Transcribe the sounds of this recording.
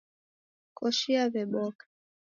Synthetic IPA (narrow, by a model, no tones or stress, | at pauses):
kʰɔʃiaβɛmɔk